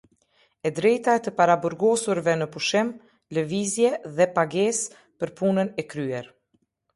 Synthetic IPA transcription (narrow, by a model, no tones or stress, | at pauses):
ɛd̪ɾɛjt̪aɛt̪əpaɾabɔɾɡɔsuɾvɛnəpuʃɪm | ləvizjɛðɛpaɡɛs | pəɾpunənɛkɾyɛɾ